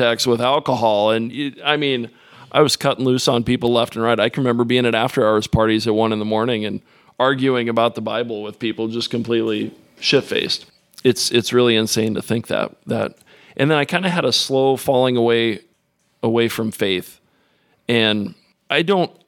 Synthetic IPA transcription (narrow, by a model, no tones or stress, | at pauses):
ɛkst̚wəðælˠkəɦɑlˠə̃naɪmĩn | ʔaɪwʌz̥kʰʌɾɪ̃ŋ̩lʉsn̩pipl̩ˠlɛftn̩ɹaɪɾaɪkɹɨmɛ̃mbə˞biɪ̃ŋɨɾæftə˞aʊə˞z̥pʰɑɹɾizɨt̚wʌ̃nɨ̃nðəmɔɹnɪ̃ŋɨ̃n | ɑɹɡjʉɪ̃ŋɨbaʊt̪̚ðəbaɪbl̩ˠwɪð̥pipl̩ˠd͡ʒʌskɨ̃m̩pʰl̥itˡli | ʃɪpfḛɪst̚ | ɨtsɨtsɹɪlˠiɨ̃nsẽɪ̃ntɨθɪ̃ŋk̚ðæ̰t̪̚ðɨ̰ɾ | ʔɨ̃nðə̃naɪkʰãɪ̃ndɨəɾəsloʊfɑlˠɪ̃ŋəweɪ | əweɪfɹʌ̃mɱfeɪθ | ɨ̃n | ʔaɪdõʊ̃nt̚